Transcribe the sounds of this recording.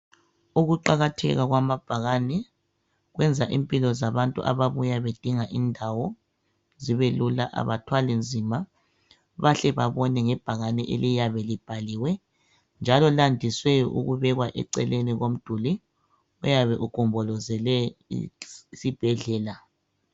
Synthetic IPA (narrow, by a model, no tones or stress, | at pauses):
uɣuǃaɣatʰɛ̰ɣaɣwamab̥ʱaɣanɛ | ɣwɛnd͡zʱaʔimpʼilɔzaβantʼṵʔa̰βaβujaβed̥ʱiŋaʔindʱawɔ | ziβelula̰ʔa̰βa̰tʰwalind͡zʱima | βaɬɛβaβɔnɛŋɛb̥ʱaɣanɛʔḛlijaβɛlib̥ʱaliwɛ | nd͡ʒʱalɔlandʱiswɛɔʔṵɣuβɛɣwaʔɛ̰ǀɛ̰leniɣom̩d̥ʱuli | ujaβɛʔukʼɔmbʱɔlɔzɛlɛ | sib̥ʱɛɮɛːla